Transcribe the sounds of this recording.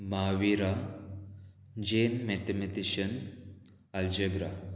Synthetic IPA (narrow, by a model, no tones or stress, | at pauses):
maːʋiɾa | d͡ʒeːnmet̪emet̪iʃɐn | ɐld͡ʒebɾa